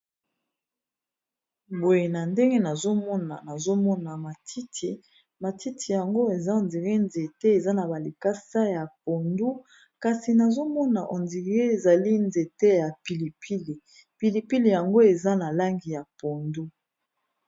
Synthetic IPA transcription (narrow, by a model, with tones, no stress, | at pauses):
bo˨je˨na˨nde˦ŋɡe˦na˨zo˦mɔ˦na˨na˨zo˦mɔ˦na˨ma˨tʰi˦tʰi˨ | ma˨ti˦tʰi˨ja˨ŋɡo˦e˨za˦o˨nzi˨ʁi˦nze˨tɛ˦e˨za˦na˨ba˨li˨ka˦sa˦ja˨po˨ndu˦ | ka˨si˨na˨zo˦mɔ˦na˨ʔo˨nzi˨ʁe˦e˨za˨li˦nze˨tɛ˦ja˨pi˨li˨pʰi˦li˨ | pi˨li˨pi˦li˨ja˨ŋɡo˦e˨za˦na˨la˦ŋɡi˨ja˨po˨ndu˦